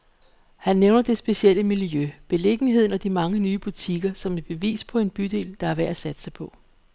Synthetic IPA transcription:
hænːeʊnɐd̥e̝sb̥e̝siel̰əmiljøb̥e̝le̝ɡ̥əniɦe̝ð̞̰ˠn̩ɒd̥imɑ̈ŋənyːb̥ut͡sʰiɡ̥ɐsɒ̽me̥b̥e̝ʋḭːspʰɒ̽e̝nb̥yd̥e̝̰ːld̥ɑ̈æɐʋæɐ̰æsæd̥sɑɪpʰɒ̽

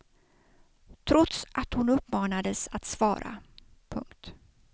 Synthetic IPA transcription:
t̪ʰɾɔt̪sʔat̪hʊnɵpːmɑːnad̪əsat̪svɑːɾʔa̰ | pʰɵ̰ŋkt̪

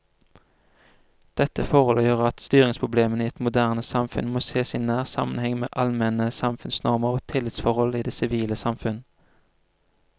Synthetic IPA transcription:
d̪̥ɛt̪əfɔʁɔləjøːʁəɑt̪st̪yːʁɪŋspʰʊbleːməniːɛt̪mʊd̪æːʁnəsɑmfʉ̰nmoːseːsinæːʁsɑ̰mənhɛŋmḛːʔɑlmɛnəsɑmfʉnsnɔʁməʁoːt̪ʰɪlːɪt̪sfɔʁhɔliːd̪eːsɪʋiːləsɑmfʉn

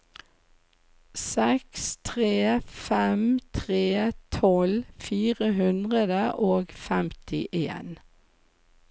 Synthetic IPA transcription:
sɛkst̪ʰʁeːfɛmt̪ʰʁeːt̪ʰɔlfiːʁəɦʉnd̪ʁəd̪əʔoːɡfɛmt̪ʰɪʔḛːn

